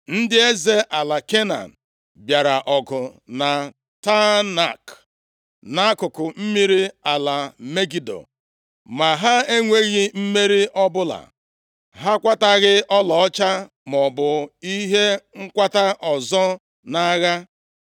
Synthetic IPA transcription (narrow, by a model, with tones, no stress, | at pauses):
n̩˦dɪ˦e˦ze˦ʔa˨la˨ke˦na̰˨n̩˨ | bja˨ɾa˨ʔɔ˨ɡʊ˨na˨ | ta˦na˨k | na˦kʊ˨kʊ˨m̩˦mi˦ɾi˦a˨la˨me˦ɡi˨do̰˨ | ma˨ɦa˦e˦ŋʷe˦ɣi˦m̩˦me˦ɾi˦ʔɔ˦bʊ˦la̰˨ | ɦa˦kʷa˦ta˦ɣɪ˦ʔɔ˦lɔ˨ɔ˦t͡ʃa˦ | m˨ɔ˨bʊ˨i˦ɦe˦ŋ̩˦kʷa˦ta˦ʔɔ˨zɔ˦ | na˦ɣa˦